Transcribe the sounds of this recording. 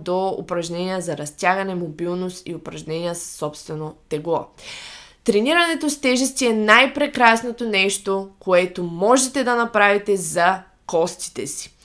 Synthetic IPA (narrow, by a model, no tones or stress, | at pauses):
d̪oʊ̰pɾɐʒnɛnʲijəzɐɾɐst̪ʲjaɡɐnɛmobilˠnost̪iʊpɾɐʒnɛnʲiəssːɔpst̪vɛnot̪ɛɡlˠɔ | t̪ɾɛniɾɐnɛt̪ost̪ɛʒɛst̪iɛnajpɾɛkɾasnot̪onɛʃt̪okoɛt̪omɔʒɛt̪ɛd̪ɐnɐpɾavit̪ɛzɐ | kɔst̪i̥t̪ɛsi̥